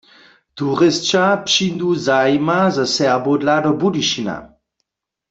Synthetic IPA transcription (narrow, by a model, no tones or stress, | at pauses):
t̪uʁɪst͡ʃapɕind̪uzajmazasɛʁbodladɔbudiʃina̰